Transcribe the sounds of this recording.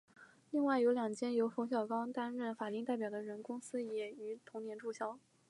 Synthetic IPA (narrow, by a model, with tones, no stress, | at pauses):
li˥˧ŋwa˥˩ɪjo˧˥ʊljɑ˨˩ŋt͡ɕʰjɛ˥njo˧˥ʊfo˧˥ɕ̬jɑ˨˩ʊkɑ˥ʊt̪a˥nɻə˥˩nfa˨˩t̪i˥˧t̪a˥˩ɪpjɑ˨˩ʊd̪ə˦ɻə˧˥nkʊ˥ŋsɹ̩˥jɛ˨˩y˧˥t̪ʰʊ˧˥ŋnjɛ˧˥nʈ͡ʂu˥˩ɕjɑ˥ʊ